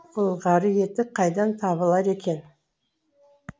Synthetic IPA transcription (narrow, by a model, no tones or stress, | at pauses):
ʊlˠʁɑɾəje̞t̪ɪqʰɑjd̪ɑnt̪ʰɑβəlˠɑɾe̞kʲe̞n